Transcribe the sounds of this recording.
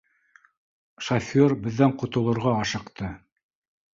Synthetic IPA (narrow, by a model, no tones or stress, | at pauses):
ʃɐfʲoɾbɘ̆ðːæɴqŏt̪ŏlˠɤ̆ɾʁɑɑʃɤ̆qt̪ɤ